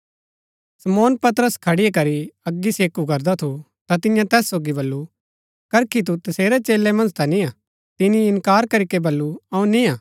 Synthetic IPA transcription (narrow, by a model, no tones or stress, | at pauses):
sɐmɔːnpɐt̪əɾəskʰɐɽɪjekɐɾiɐɡːiseːkukɐɾd̪at̪ʰo | t̪at̪ɪjãt̪ɛːsːoːɡibɐlːu | kɐɾkʰit̪̬ut̪ɐseːɾet͡ʃeːlːemɐ̃nd͡ʒt̪anĩa | t̪ɪniɪ̃nkaːɾkɐɾikebɐlːuɐũnĩaː